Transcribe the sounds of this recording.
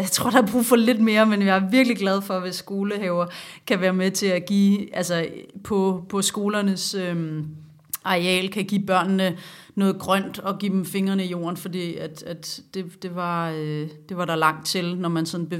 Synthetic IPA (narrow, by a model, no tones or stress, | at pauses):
jɑ̈ɪt͡sʰʁo̝ɐ̰d̥ɑ̈hɑb̥ʁṵːfɒ̽le̝d̥me̝ːɐmenjɑ̈æɐʋiɐɡ̥liɡ̥læð̞ˠfɒ̽ʋe̝sːɡ̥o̝ːləɦɛʊɐkʰæʋæːɐmet͡sʰe̝æɡ̥ḭːʔælsɐpʰɒ̽pʰɒ̽sɡ̥o̝ːlɐnəsøm | ʔɑ̈ʁɛ̰ːlkʰæɡ̥ḭːb̥ɶɐ̰nnənɔ̽ːð̩ˠɡ̥ʁɶn̰d̥ɒ̽ɡ̥ḭːd̥emfe̝ŋɐnəijo̝̰ːɐnfɒ̽d̥ḭːæd̥æd̥d̥e̝d̥e̝ʋɑ̈ød̥e̝ʋɑ̈ɾ̥ɑ̈lɑ̈ŋ̰d̥̚t͡sʰe̝lnɒmænsɒ̽n̩b̥e